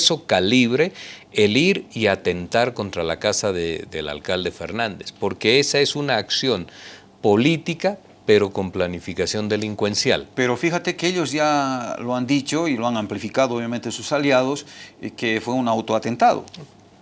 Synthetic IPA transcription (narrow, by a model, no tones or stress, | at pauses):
so̞kaliβɾe̞eliɾiat̪e̞nt̪aɾko̞nt̪ɾalakasaðeðela̰lkald̪e̞fe̞̰ɾnãnd̪e̞spo̞ɾke̞e̞sae̞sunaːksjo̞n | po̞lit̪ika | pe̞ɾo̞ko̞mplanifikasjo̞nd̪e̞liŋkwe̞nsja̰lpe̞ɾo̞fixat̪ekeeʎo̞zʝaloand̪it͡ʃo̞iloaŋamplifikaðooβjamẽnt̪esusaljað̞o̞skefwe̞unawt̪oat̪e̞nt̪aðo̰